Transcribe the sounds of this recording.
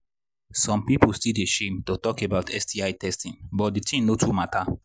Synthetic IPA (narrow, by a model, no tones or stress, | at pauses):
sɔ̃mpipolstideʃẽmtotɔkebaʊtʰɛstiaɪtʰɛstĩnbɔt̚ditʰĩnnotʰumatʰa